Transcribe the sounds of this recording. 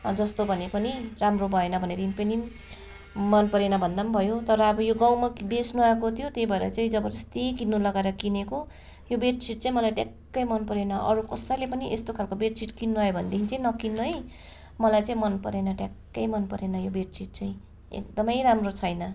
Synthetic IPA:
d͡zʌst̪obʱʌnepʌniramrobʱʌenʌbʱʌneɾinpʌni | mʌnpʌɾenʌbʱʌnd̪ambʱʌjot̪ʌɾʌːbʌjoɡãw̃mabesnuɦakot̪ʰijot̪jejbʱʌeɾʌ̰t͡saĩd͡zʌbʌɾʌst̪ekinːulʌɡaeɾʌkineko | jobeʈt͡siʈ̚t͡saĩmʌlajʈjakːʌjmʌnpʌɾenʌʔʌ̰ɾukʌsʌjlepʌniʔest̪okʰalkobeʈ̚t͡siʈkinːuʌjobʱʌnd̪ekʰinit͡saĩnʌkinːʌ | mʌlajt͡saĩmʌnpʌɾenʌʈjakːʌjmʌnpʌɾenʌjobeʈ̚t͡siʈ̚t͡saĩ | ḛk̚d̪ʌmʌjɾamrot͡sʰʌjnʌ

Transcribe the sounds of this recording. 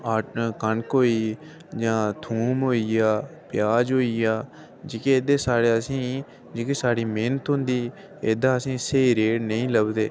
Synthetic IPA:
aːʈːkəɳkoːiː | d͡ʒãːt̪ʰuːmɦoːiaːpjaːd͡ʒɦoːiːaː | d͡ʒɪkeeːd̪eːsaːɽeːəsĩː | d͡ʒɪkeːsaːɽiːmeːnət̪ɦʊ̃nd̪iː | eːd̪ãːəsĩːseiɾeːɽnəĩːləbd̪eː

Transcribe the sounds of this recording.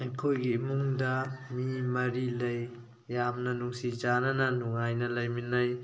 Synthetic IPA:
ɐjkʰojɡimuŋdɐmimɐɾilɐjː | amnɐnuŋsid͡ʒanɐnɐnuŋajnɐlɐjminɐj

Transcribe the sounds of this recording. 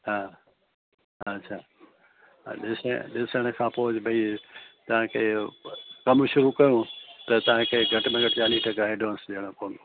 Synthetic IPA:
ɦaː | ɐtːʃʰa̰ː | ɗɪsə̰ɗɪsəɽ̃ə̆kʰãːpoːʊd͡ʑbʱɐit̪ɐʋ̤ãkʰe | kɐmʃʊɾukɐjũt̪ɐt̪ɐʋ̤ãkʰeɡʱɐʈmẽɡʱɐʈt͡ɕaːliʈʰɐkaeɖõːnsɗeɽ̃õkoːno

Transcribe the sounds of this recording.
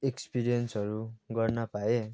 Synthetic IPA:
ekspiɾijʌnsɦʌɾuɡʌrnʌpae

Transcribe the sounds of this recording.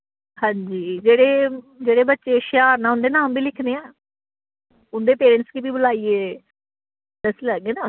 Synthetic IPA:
hãːɲd͡ʒiːd͡ʒeːɽeː | d͡ʒeːɽeːbətːʃeːʃjaːnãːʊ̃nd̪eːnãːmbiːlɪkʰneːɛ̃ː | ʊnd̪eːpeːɾɛ̃ɳʈskiːbiːbʊlaːiːeː | d̪əsiːləːɡeːnãː

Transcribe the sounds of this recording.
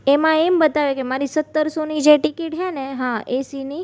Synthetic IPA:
emãembət̪aʋekemaɾisət̪ːəɾsonid͡ʒeʈikiʈɦɛneɦãʔesini

